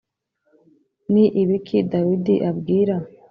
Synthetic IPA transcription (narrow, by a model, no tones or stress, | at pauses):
niʔiβikʰidawidiʔabɡiːɾa